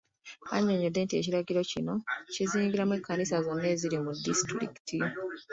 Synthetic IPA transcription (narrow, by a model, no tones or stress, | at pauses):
a̰ɲːoɲode̞ːntie̞̰ciɾaɡiɾo̞cino̞ciziːŋɡiɾamwekːanisazonːe̞ːziɾimudistɾḭki̥tʰi